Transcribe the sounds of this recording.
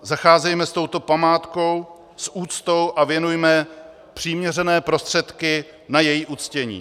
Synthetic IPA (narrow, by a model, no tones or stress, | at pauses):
zaxaːzɛjmɛst̪o̞wt̪o̞pamaːt̪ko̞w | sʔuːt͡st̪o̞wʔavjɛnujmɛ | pr̝̥iːmɲɛrɛnɛːpɾo̞st̪r̥ɛt̪kɪ | najɛjiːʔut͡scɛɲḭː